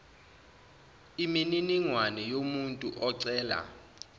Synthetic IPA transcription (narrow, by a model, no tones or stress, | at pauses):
imininiŋwanɛjomuntʼuʔɔǀɛːla̰